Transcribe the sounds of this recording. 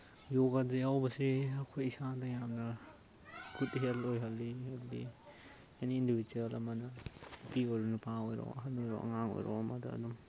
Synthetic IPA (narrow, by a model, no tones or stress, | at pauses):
joɡazejawbɐsiɐkʰojisadɐjamnɐ | kʰutɦelojɦɐlːiɦelːḭ | janiːndibiduɐlɐmɐnɐpiojɾunupaojɾo̰ʔɐɦɐnojɾo̰ʔɐ̰ŋaŋo̰jɾo̰ɐmɐdɐ̰ːdum